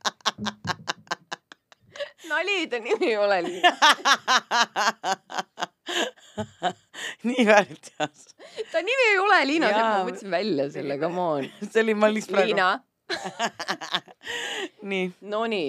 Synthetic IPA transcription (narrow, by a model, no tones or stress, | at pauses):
nɑlʲit̪ɑnimiejolɛlin | niːvælt̪ɑs | ɑnʲimiejolɛlʲiːnɑsemɑətt̪sinvælʲjɑselːekɑmoːnselimɑlʲːispɾaiːnɑ | niːnonʲi